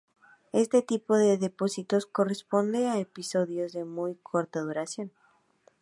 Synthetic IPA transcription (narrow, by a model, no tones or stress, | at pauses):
e̞st̪e̞t̪ipo̞ðe̞ðe̞po̞sit̪o̞sko̞respo̞nd̪eaepiso̞ðjo̞zðe̞mujkʰoɾt̪að̞uɾasjo̞n